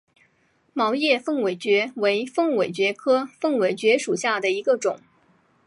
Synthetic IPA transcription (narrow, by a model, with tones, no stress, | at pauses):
mɑ˧˥ʊjɛ˥˧fɤ˥˩ŋwe˨˩ɪt͡ɕɥɛ˧˥we˧˥ɪfɤ˥˩ŋwe˨˩ɪt͡ɕɥɛ˧˥kʰɤ˥fɤ˥˩ŋwe˨˩ɪt͡ɕɥɛ˧˥ʂu˨˩ɕja˥˩d̪ə˩i˧˥ɡə˧ʈ͡ʂʊ˨˩˦ŋ